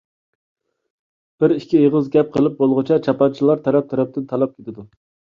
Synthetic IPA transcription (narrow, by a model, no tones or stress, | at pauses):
b̥ɪɾikʲʰijəʁəzɡʲɛp̚qʰəlˠɨp̚bolˠʁʊt͡ʃʰɛt͡ʃʰɑpɑnt͡ʃʰilˠɑɾt̪ʰɛɾɛp̚t̪ʰɛɾɛp̚t̪ɪnt̪ʰɑlˠɑp̚kʲʰet̪ɪd̪u